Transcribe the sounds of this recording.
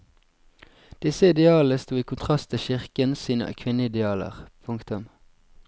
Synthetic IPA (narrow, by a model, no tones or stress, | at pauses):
d̪̥ɪsəɪd̪ɛɑːləst̪uːiːkʰʊnt̪ʰʁɑst̪ʰɪlʃɪʁkənsiːnə̰kʰʋɪnəɪd̪ɛɑːlə̰ʁpʰʊŋkt̪ʊm